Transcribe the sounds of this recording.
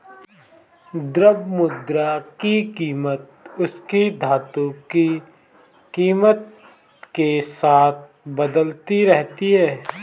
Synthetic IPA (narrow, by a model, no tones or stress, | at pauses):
d̪ɾəbmʊd̪ɾakikiːmət̪̚ʊskid̪ʱaːt̪õki | kiːmət̪̚ | kesaːt̪̚ʰ | bəd̪əlt̪iɾɛɦt̪iɦɛː